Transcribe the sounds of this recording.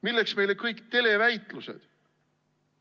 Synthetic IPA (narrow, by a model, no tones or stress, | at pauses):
milːeksme̞jlekɤjkt̪e̞le̞væjt̪ˑluse̞̰d̪̥